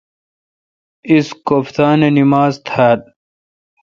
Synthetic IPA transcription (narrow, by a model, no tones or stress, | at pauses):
iskopt̪aːnenimaːzt̪ʰaːd̪̚